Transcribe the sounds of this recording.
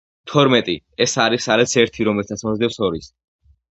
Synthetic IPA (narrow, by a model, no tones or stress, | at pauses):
t̪ʰɔɾmɛt̪ʼi | ɛsaɾisaɾɛsɛɾt̪ʰiɾɔmɛlt̪ʰat̪sʰmɔzd̪ɛpsɔɾis